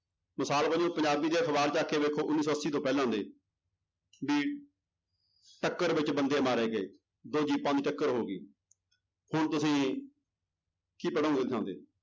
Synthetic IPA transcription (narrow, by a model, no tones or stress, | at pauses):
məsaːlpəd͡ʒõːpəɲd͡ʒaːbiːd̪eːkʰəʋaːɾt͡ʃaːkeːʋeːkʰːoːʔʊnːiːs̬ɔːəsːiːt̪õːpɛːlːãːnd̪eː | biː | ʈəkːəɾbɪt͡ʃbənd̪eːmaːɾeːɡəḛː | d̪oːd͡ʒiːpãːd̪iːʈəkːəɾɦoːɡḭː | hʊɳt̪ʊsĩː | kiːpəɽãõːɡ̪eːd̪ʰãːnd̪ḛː